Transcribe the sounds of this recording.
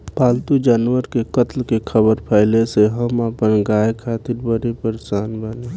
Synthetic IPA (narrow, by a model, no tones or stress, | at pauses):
paːlt̪ud͡ʒaːnwəɾkekət̪lkekʰəbəɾpʰəɪleseɦəmaːpənɡaːjkʰaːt̪ɪɾbəɾepəɾesaːnbəne